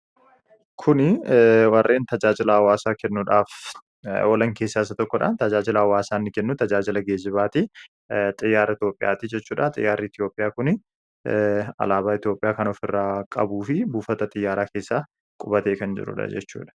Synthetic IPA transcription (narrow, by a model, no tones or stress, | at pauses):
kʰʊnɪwɐrːʔe̞ːnt̪ɐd͡ʒaːd͡ʒɪlɐɐwaːsaːkɛnːʊᶑaːf | ɔlɐŋkeːsːaːɪsːɐt̪ɔkːɔᶑa̰ːnt̪ɐd͡ʒaːd͡ʒɪlɐɐwaːsaːnːɪkɛnːʊt̪ɐd͡ʒaːd͡ʒɪlɐɡeːd͡ʒɪβaːt̪ɪ | t̪ʼɪjːaːɾɐɪt̪joːpʼːɪja̰ːt̪ɪd͡ʒɛt͡ʃːuːᶑɐt̪ʼɪ̰jːaːrːiːɪt̪ɪjo̞ːpʼɪjaːkʊnɪ | ɐ̰laːbaːɪt̪ɪjo̞ːpʼɪjaːkɐnɔfɪrːaːkʼɐbuːfɪbuːfɐt̪ɐt̪ʼɪjːaːɾaːkeːsːaː | kʼʊbɐt̪e̞ːkɐnd͡ʒɪ̰ɾʊ̰ᶑɐ̰d͡ʒɛ̰t͡ʃːṵːᶑɐ̥